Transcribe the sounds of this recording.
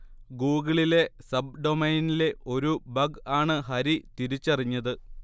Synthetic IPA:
ɡuːɣɐɭile̞sɐbɖo̞mɐjnile̞ʔo̞ɾubɐɡaːɳɨɦɐɾit̪iɾit͡ɕːɐriɲːɐðɨ

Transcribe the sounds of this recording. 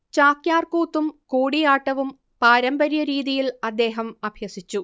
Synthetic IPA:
t͡ɕaːkjaːrkuːt̪ːumkuːɽijaːʈːɐʋum | paːɾɐmbɐɾjɐɾiːðijilɐd̪ːe̞ːɦɐmɐbʱjɐsit͡ɕːu

